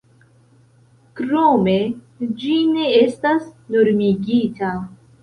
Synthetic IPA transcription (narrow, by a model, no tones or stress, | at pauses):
kɾome̞ | d͡ʒine̞estasno̞ɾmiɡita